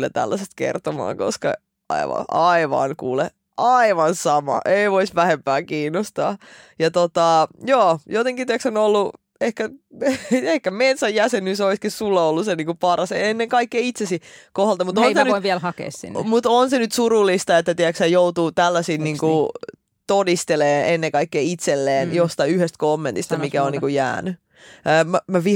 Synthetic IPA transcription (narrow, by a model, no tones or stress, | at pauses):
lːæ̰t̪æ̰lːæsest̪kḛrt̪omɑ̰ːŋko̰skɑ̰ | ɑ̰iʋɑ̰ɑiʋɑ̰nkṵːle | ʔɑiʋɑnsɑmɑ̰ʔeiʋoisʋæhempæːkiːnːost̪ɑ̰ː | jɑt̪ot̪ɑjoːjot̪eŋkit̪iæksonolːu | ehkæ | ehkæmet̪sæjjæsenysoiskissulːɑolːuseniːŋkupɑrɑseenːeŋkɑikːeiit̪sesikohɑlt̪ɑmut̪onsenyiʋiælhɑkḛˑːssḭnːmut̪onsenyt̪surulːˑist̪ɑet̪ːæt̪iæksæjout̪uːt̪ælːæsiːnniːŋku | t̪odist̪eleːnʔenːeŋkɑikːeːit̪selːeːnjost̪ɑiyhest̪̚komːent̪ist̪ɑmikæoniŋkujæ̰ːnyː | mæmæʋi